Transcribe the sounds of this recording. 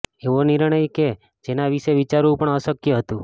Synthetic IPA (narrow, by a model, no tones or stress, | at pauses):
eʋoniɾɳ̃əjke | d͡ʒenaʋiʃeʋit͡ʃaɾũpəɳəsəkjəɦət̪ũ